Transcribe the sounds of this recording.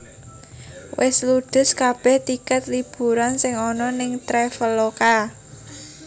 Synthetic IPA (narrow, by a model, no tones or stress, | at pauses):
wʔɪsluɖ̪̥ʊ̤skab̥ɛht̪ikət̪̚lib̥uɾansɪŋɔnɔnɪŋt̪ɾɛfəloka